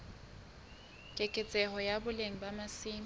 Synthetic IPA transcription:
kʼekʼɪt͡sʼɛɦɔjabʊleŋ̩bamasiːm

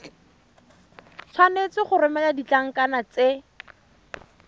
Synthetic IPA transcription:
t͡sʰwanet͡sɪχʊrɪmɛladit͡ɬaŋ̩kanat͡se

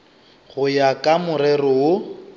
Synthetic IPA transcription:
ɣʊjakʼamʊrɛrɔo

